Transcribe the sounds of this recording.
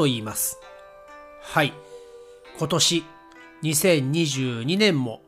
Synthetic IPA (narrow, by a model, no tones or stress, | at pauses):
o̞iːmasɨ̥ | hai | kʰo̞t̪o̞ɕi | ɲ̟isẽ̞ɲɲiʑɨːɲ̟inẽ̞mːo̞̰